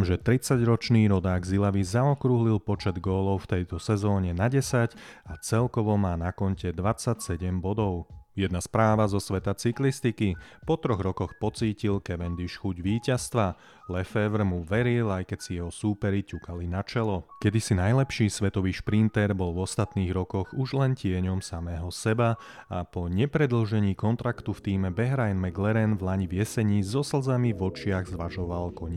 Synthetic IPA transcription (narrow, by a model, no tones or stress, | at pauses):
mʒɛt̪ɾit͡saɟɾɔt͡ʃniːɾɔd̪aːɡzilaʋizaɔkɾuɦlilpɔt͡ʃɛd̪ɡɔːlɔʊft̪ɛjt̪ɔsɛzɔːɲɛnaɟɛsacat͡sɛlkɔʋɔmaːnakɔncɛd̪ʋat͡sacsɛɟɛmbɔd̪ɔʊjɛd̪naspɾaːʋazɔsʋɛt̪at͡siklist̪ikipɔt̪ɾɔɣɾɔkɔxpɔt͡siːcilkɛʋɛnd̪iʃxuɟʋiːcast̪ʋa | lɛfɛʋɾmuʋɛɾilajkɛcsijɛɦɔsuːpɛɾicukalinat͡ʃɛlɔkɛd̪isinajlɛpʃiːsʋɛt̪ɔʋiːʃpɾint̪ɛɾbɔlvɔst̪at̪niːɣɾɔkɔɣuʒlɛncɪɛɲɔmsamɛːɦɔsɛba | apɔɲɛpɾɛd̪l̩ʒɛɲiːkɔnt̪ɾakt̪uft̪iːmɛbɛɦɾajnmɛɡlɛɾɛnvlaɲivjɛsɛɲiːzɔsl̩zamivɔt͡ʃɪaɣzʋaʒɔʋalkɔɲi